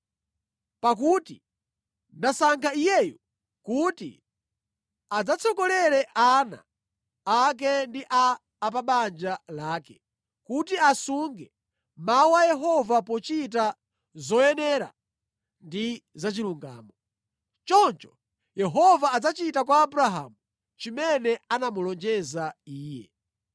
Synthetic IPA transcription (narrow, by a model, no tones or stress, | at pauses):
pak̬uti | nasaŋkʰaijɛju | kutḭ | ad͡zat͡sʰɔkɔlɛɾɛʔana̰ː | k̬ɛndiʔaː | paɓand͡ʒalaːkɛ | kutiasuŋɡɛ | mauwajɛɦɔvapɔt͡ʃit̬a | zɔjɛnɛɾa̰ | ndizat͡ʃiluŋɡa̰ːmɔ | t͡ʃɔnt͡ʃɔ̥ | jɛɦɔvaːd͡zat͡ʃitakwaːbuɾaɦa̰ːmu | t͡ʃimɛnɛanamulɔnd͡ʒɛzaiːjɛ̰